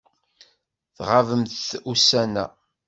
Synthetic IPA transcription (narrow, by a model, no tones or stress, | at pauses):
θʁavəmθθusænæ